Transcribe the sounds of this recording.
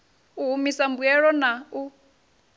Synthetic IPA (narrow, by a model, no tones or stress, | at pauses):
uɦumisambuɛɺɔnau